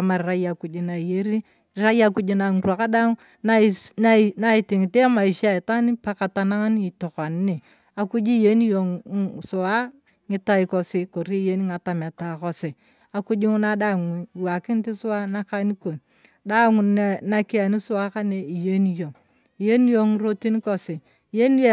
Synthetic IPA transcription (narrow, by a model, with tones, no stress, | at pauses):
a˨ma˨ɾɾa˦ja˨ku˨d͡ʒi˨na˨i˨je˦ɾi˦ | ɾa˦ja˦ku˦d͡ʒi˦na˨ŋu˨ɾu˦a˨ka˦da˦ŋ˦ | na˦n˦na˦i˨ti˨ŋi˨te˦a˦ma˨i˨ʃa˦˨i˨ta˦ni˦pa˦ka˨ta˨na˦ŋa˦n˦i˨to˨ka˨n˦ne˨ | a˨ku˦d͡ʒi˦je˦ni˦jo˨ŋsu˨wa˦ | ŋɪ˦ta˦i˨ko˨si˦ko˨ɾi˦je˦ni˦ŋa˨ta˨me˨ta˨ko˦si˨ | a˨ku˦d͡ʒi˦ŋu˦na˦da˦˨ŋ˨wa˨kɪ˦n˦ti˦sʊ˦wa˦na˦ka˦ni˦ko˨n | da˦ŋu˨na˨ki˦a˨ni˦sʊ˦wa˦ka˦ne˨i˨je˦ni˦jo˨ŋ | i˨je˦ni˦jo˦ŋi˨˦ɾo˦ti˦n˦ko˨si˨ | je˦ni˦e˦